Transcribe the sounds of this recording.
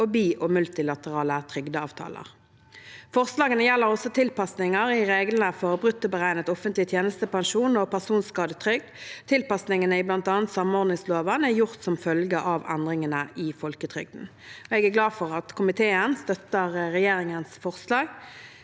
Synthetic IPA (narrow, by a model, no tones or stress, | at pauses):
ɔbiːʔɔmʉlt̪ɪlɑt̪əʁɑːlət̪ʰʁʏɡd̪əɑːʋt̪ʰɑ̰ːlə̰ʁ | fɔʁslɑːɡənəjɛlːəʁɔsɔt̪ʰɪlpɑsnɪŋəɾɪʁeːɡlənəfɔʁbʁʉt̪ːəbəʁæɪnət̪ɔfənt̪lɪt̪ʰjeːnəst̪əpɑŋʃuːnɔpæʁsuːnskɑːd̪ət̪ʰʁʏɡ̚d̪t̪ʰɪlpɑsnɪŋənəɪblɑnt̪ɑːnt̪sɑmɔʁd̪nɪŋsloːʋənæʁjʊʁt̪sɔmfœlɡəʔɑʋɛ̰nd̪ʁɪŋənəʔɪfɔlkət̪ʰʁʏ̰ɡ̚d̪n̩ | ɔɛɡæɡlɑːfɔʁɑt̪kʰʊmɪt̪ʰeːənst̪œt̪ːəʁʁɛjeːʁɪŋənsfɔʁslɑːɡ